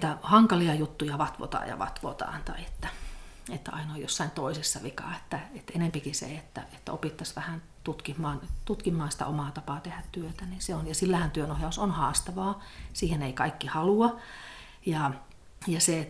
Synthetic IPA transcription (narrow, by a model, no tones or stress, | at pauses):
niːt̪æhɑŋkɑliɑjut̪ːujɑʋɑt̪ʋo̰t̪ɑ̰ːjɑ̰ʋɑ̰t̪ʋo̰t̪ɑ̰ːnt̪ɑiet̪ːæet̪ːæɑ̰inojjosːɑint̪oisisːɑʋikɑ̰ːet̪ːæet̪ːenempikisḛet̪ːæ̰et̪ːæ̰o̰pit̪ːɑsʋæhæn | t̪ut̪kimːɑːnt̪ut̪kimːɑːnsi̥t̪æ̰ʔomɑːt̪ɑpɑːt̪ehæt̪t̪yøt̪æninseonjɑsilːæhænt̪yønohjɑusonhɑːst̪ɑʋɑːsiːheneikɑikːihɑluɑ | jɑ | jɑse